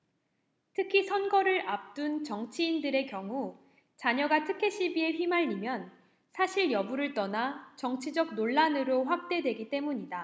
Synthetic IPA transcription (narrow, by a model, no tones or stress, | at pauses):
tʰɯkʰisʰʌnɡʌɾɯɾap̚t͈unt͡ɕʌŋt͡ɕʰiːndɯɾe̞kjʌŋu | t͡ɕaɲʌɡatʰɯkʰe̞ɕʰibie̞ɸɥimaʎːimjʌn | sʰaɕʰiɭjʌbuɾɯɭt͈ʌnat͡ɕʌŋt͡ɕʰid͡ʑʌɡ̚noɭːanɯɾoɸwak̚t͈e̞dwe̞ɡit͈e̞muɲida